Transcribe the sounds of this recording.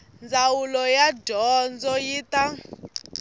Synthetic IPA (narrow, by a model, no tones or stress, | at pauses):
nd͡zawulɔjadɔnd͡zɔjita